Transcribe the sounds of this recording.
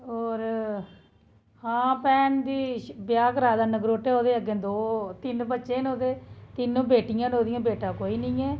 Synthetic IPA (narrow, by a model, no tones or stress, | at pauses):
oːɾ | hãːpɛːnd̪iːbɪjaːkɾaːd̪aːnəɡɾoːʈɛːoːd̪eːəɡẽːd̪oːt̪ɪnbətːʃeːnoːd̪eːt̪ɪnːõːbeːʈɪjãːnoːd̪ɪijãːbeːʈãːkoːiːnəĩːɛː